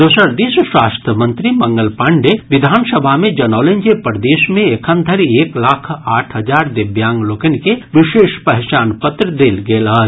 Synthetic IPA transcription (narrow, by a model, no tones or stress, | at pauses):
d̪oːsəɾd̪iːsʃaːst̪ʰəmə̃nt̪ɾimɐ̃ŋɡəlpəɳɖeʋɪd̪ʱaːnsəbʱamẽd͡ʒɐnɔːlẽɲd͡ʒepəɾd̪eːʃmẽekʰə̃nd̪ʱəɾieːklaːkʰaːʈʰɦəd͡ʒaːɾd̪ɪbjaːŋɡloːkənkeʋɪʃeːʃpəɦt͡ʃaːnpət̪ɾəd̪eːlɡeːl